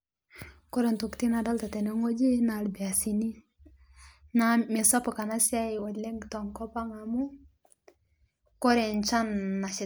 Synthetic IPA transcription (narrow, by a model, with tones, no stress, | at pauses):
kɔ˦ɾe˨ntu˨kti˦na˨da˦lta˨tɛ˨ne˦ŋo˦d͡ʒi˦na˨lbi˨a˨si˨ni˦ | na˨mɛ˨sɔ˦pɔ˨ka˨na˦sja˦ɪ˨wɔ˨dlɛ˦ŋɡtɔ˨ŋkɔ˦pa˦ŋa˨mu˦ | kɔ˦ɾɛ˨nt͡ʃa˦nːa˨t͡ʃɪ˨